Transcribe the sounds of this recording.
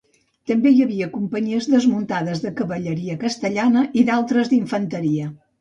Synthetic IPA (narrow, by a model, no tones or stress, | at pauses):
t̪əmbejəβiəkumpəɲiəzðəzmunt̪aðəzðəkəβəʎəɾiəkəst̪əʎanəʔiðalˠt̪ɾəzðiɱfənt̪əɾiə